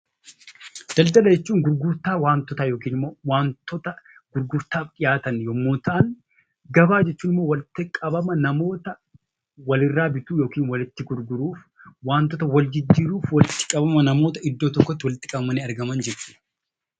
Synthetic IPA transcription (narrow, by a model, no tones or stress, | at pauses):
d̪̥ɐld̪ɐlɐd͡ʒɛt͡ʃːuːŋɡʊɾɡʊɾt̪aːwaːnt̪ɔt̪aːjoːkiːnɪmːoːwaːnt̪ːɔt̪ɐɡ̥ʊɾɡʊɾt̪aːfkʼɪjaːt̪ɐnjɔmːoːt̪ɐʔɐŋ | ɡɐbaːd͡ʒɛt͡ʃːuːnɪmːo̞ːwɐlɪt̪ːɪkʼɐbɐmɐnɐmo̞ːt̪ɐ | wɐlɪrːaːbɪt̪uːjo̞ːkiːnwɐlɪt̪ːɪɡʊɾɡʊɾuːf | waːnt̪ɔt̪ɐwɐld͡ʒɪd͡ʒːiːɾuːfwɐlɪt̪ːɪ̥kʼɐbɐmɐnɐmo̞ːt̪ɐɪd̪ːoːt̪ɔkːɔt̪ːɪwɐlɪt̪ːɪ̥kʼɐbɐmɐniːɐɾɡɐmɐnd͡ʒɪɾt͡ʃʊ̥